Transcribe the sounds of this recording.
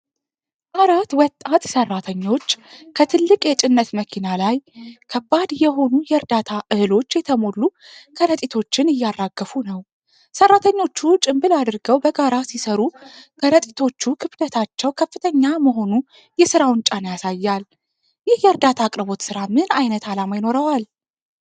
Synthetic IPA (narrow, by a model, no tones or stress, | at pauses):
ʔaɾat̪wɔt̪ʼːat̪sərːat̪ʰəɲːo̞t͡ʃːkʰət̪ʰɨlːɨkʼjɛt͡ʃʼɪnːət̪məkʰinalajkʰəbad̪jɛɦo̞nujɛɾd̪at̪ʰaʔɨhɨlo̞t͡ʃːjɛt̪ʰəmo̞lːukʰəɾət̪ʼit̪ʰo̞t͡ʃːɪnɪjːarːaɡːəfunəw | sərːat̪ʰəɲːo̞t͡ʃːut͡ʃʼɪmbɨlad̪ɨɾɡəwbəɡaɾasisəɾukʰəɾət̪ʼit̪ʰo̞t͡ʃːukʰɨbd̪ət̪ʰat͡ʃːɛwkʰəfːɨt̪ʰəɲːaməɦo̞nu | jɛsɨɾawʊnt͡ʃʼanjasajːal | jɪhjɛɾd̪at̪ʰakʼɾɨbo̞t̪sɨɾamɨnajnət̪ʰalamajno̞ɾəwal